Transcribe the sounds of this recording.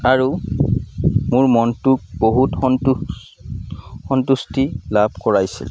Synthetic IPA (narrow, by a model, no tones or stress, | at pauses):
aɹu | mʊɹmɔntʊk̚boɦutɔ | xɔntustilabʱkɔɹajsḭl